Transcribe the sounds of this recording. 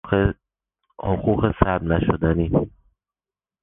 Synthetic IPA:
ɒxuxesæɾbnæʃod̪æniː

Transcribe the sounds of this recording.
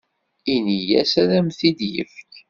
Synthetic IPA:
inijæ̰sæðæmθid̪jə̰fk

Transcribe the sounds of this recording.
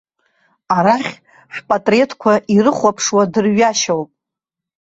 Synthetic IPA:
aɾaχʲ | ħᶣpʼatʼre̞tʰkʷʰaʔiɾɨχʷapʰʂwadɨrɥaʃawpʼ

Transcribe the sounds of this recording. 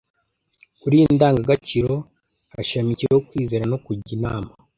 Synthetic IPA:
kuɾiːndaːŋɡaɡat͡ʃiɾo̞ | aʃamiciɾehokwiːze̞ɾano̞kuɟinaːma

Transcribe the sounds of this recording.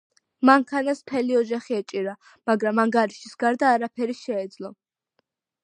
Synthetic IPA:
maŋkʰanasm̥t̪ʰɛliɔd͡ʒaχiɛt͡ʃʼiɾa | maɡɾamaŋɡaɾiʃisɡaɾd̪aːɾapʰɛɾiʃɛːd̪zlˠɔ

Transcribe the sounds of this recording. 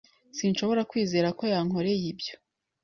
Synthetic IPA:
sinʃo̞βo̞ɾakwiːze̞ːɾako̞jaŋo̞ɾe̞jibjo̞̥

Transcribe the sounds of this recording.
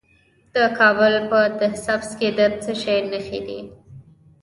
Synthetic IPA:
d̪̥əkɑbəlpəd̪əsafsked̪ət͡səʃajnəxḛd̪ḭ

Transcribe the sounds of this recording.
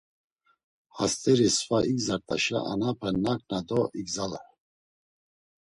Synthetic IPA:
hast̪ʼɛɾisvaʔiɡzaɾt̪ʼa̰ʃa̰ʔanapʰɛnakʼnad̪ɔiɡzala

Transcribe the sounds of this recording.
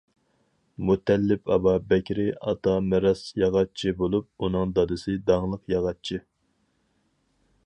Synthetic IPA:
mut̪ɛlːɪpʰɑ̰bɑbɛkʲɾɪɑ̰t̪ʰɑmɛɾɑsjɑʁɑt͡ʃʰibolˠup̚unɨŋd̪ɑd̪ɨsɨd̪ɑŋlˠəqjɑʁɑt͡ʃʰi

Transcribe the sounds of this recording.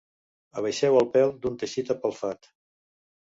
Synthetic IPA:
əβəjʃɛwəlˠpɛlˠd̪unt̪əʃit̪əpəlˠfat̪

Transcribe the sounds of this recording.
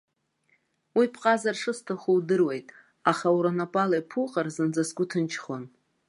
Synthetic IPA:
wipʰqʼazarʂɨstʰaχuwdɨrwejtʼ | aχauɾonapʼalajpʰuqʼarzɨnd͡zasɡʷʊtʰɨnt͡ʃʰχon

